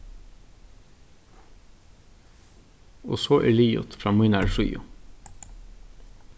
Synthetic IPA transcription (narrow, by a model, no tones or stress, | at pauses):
oːsoːʔḛːɭiːʊ̰t̪fɾɑːmiːnæɹʃy̰ːʊ̰